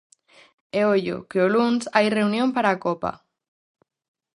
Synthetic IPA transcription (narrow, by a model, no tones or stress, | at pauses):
eoʎʊ̰keolunsajreunjõmpaɾaːkopa̰